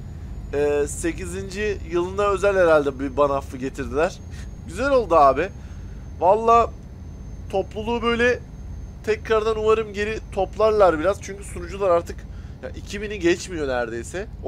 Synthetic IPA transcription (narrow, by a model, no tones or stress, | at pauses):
ɛːse̞cizind͡ʒijɯlˠɯnd̪aø̞zælʲheɾalʲd̪ɛbibanaflɯɟe̞t̪ʰiɾd̪ilʲæɾ̥ | ɟyzælo̞lˠd̪uaːbɪ | valˠːaː | t̪ʰo̞plˠulˠuːbø̞jlʲɛ | t̪ʰɛcɾaɾd̪anuvaɾɯmɟe̞ɾit̪ʰo̞plˠaɾlˠaɾbiɾaz̥t͡ʃʰyɲcy̥sunud͡ʒulˠaɾaɾt̪ʰɯkja̰ʔicʰibiniɟɛt͡ʃmijo̞næɾd̪e̞jsɛ